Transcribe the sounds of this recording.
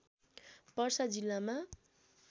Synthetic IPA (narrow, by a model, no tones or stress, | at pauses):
pʌrsad͡zilːama